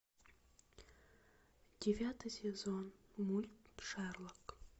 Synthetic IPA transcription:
d̥ʲevʲat̪ʰɨjsʲezonmulʲt̪̚ʂarlˠək

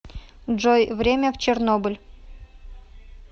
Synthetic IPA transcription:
ʐojvɾʲemʲəft͡ɕernobɨlʲ

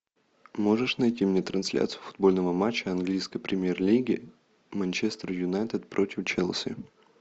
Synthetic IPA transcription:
mo̞ʐɨʂnɐjtʲimnʲet̪ɾɐnsʲlʲa̰t̪sɨjʊfʊ̥d̪̚bo̞lʲnəvəmat͡ɕːəɐnɡlʲijskəjpɾʲɪmʲjerlʲiɡʲɪ̰ | mɐnʲt͡ɕest̪ɾəjʊnajt̪ət̪̚pɾʔotʲɪft͡ɕelˠsʲɪ̰

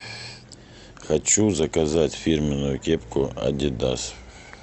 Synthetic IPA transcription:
xɐt͡ɕuzɐkɐzatʲfʲirmʲɪnʊjʊkʲepkʊɐ̰dʲɪd̪a̰s

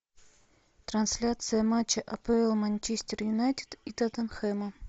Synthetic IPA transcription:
t̪ɾɐnsʲlʲat̪sɨjəmat͡ɕːəʔɐpeɪlˠmɐnʲt͡ɕesʲtʲɪrjʊnajt̪ʲɪ̥t̪it̪at̪ɐnxɛmɐ

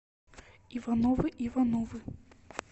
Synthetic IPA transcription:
ivanɔvɨʔivanɔvɨ

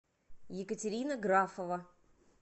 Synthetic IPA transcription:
jɪkətʲɪɾʲinəɡɾafəvə

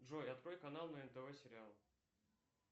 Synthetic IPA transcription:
ʐojɐt̪̚kɾo̞jkɐnalˠnəɪnt̪əvɛsʲɪɾʲɪalˠ

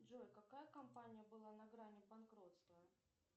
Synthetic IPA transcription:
ʐojkɐkajəkɐmpanʲɪjəbɨlˠanɐɡɾanʲɪbɐnkɾot̪st̪vəə

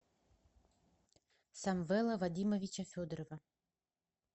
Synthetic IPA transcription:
samvɛlˠɐvad̪ʲimovʲit͡ɕɐfʲod̪ɾovɐ

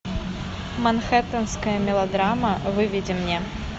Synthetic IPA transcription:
mɐnxɛt̪ɐnskəjəmʲɪlˠɐd̪ɾamɐvɨvʲid͡zʲɪmnʲɛ

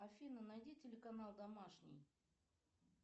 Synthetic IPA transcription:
ɐfʲinənɐjdʲitʲɪlʲɪkɐnalˠd̪ɐmaʂnʲɪ̰j

